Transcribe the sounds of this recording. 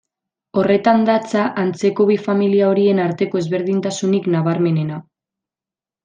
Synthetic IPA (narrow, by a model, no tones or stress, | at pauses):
o̞re̞t̪and̪at͡saʔant͡se̞ko̞βifamiliao̞ɾie̞naɾt̪e̞ko̞e̞zβe̞ɾðint̪asuniknaβaɾme̞ne̞na